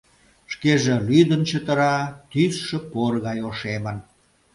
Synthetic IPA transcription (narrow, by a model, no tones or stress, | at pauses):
ʃkeʒelyd̪ənt͡ɕət̪əɾɑt̪ysʃə̆porɣɑjoʃemən